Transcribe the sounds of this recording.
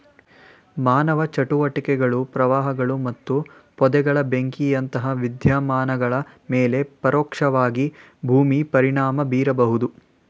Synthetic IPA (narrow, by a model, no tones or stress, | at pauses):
maːnɐʋɐt͡ʃɐʈuʋɐʈikɛɡɐɭupɾɐʋaːɦɐɡɐɭumɐt̪ːupɔd̪ɛɡɐɭɐbeŋkiɐnt̪ɐɦɐʋid̪ʱjaːmaːnɐɡɐɭɐmeːle̞pɐɾɔːkʂɐʋaːɡi | bʱuːmipɐɾiɳaːmɐbiːɾɐbɐɦud̪u